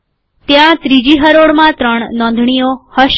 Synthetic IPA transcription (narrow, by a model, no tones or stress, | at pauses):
t̪jãt̪ɾid͡ʒiɦəɾoɽmãt̪ɾəɳ̃nɔ̃nd̪ʱɳijohəʃ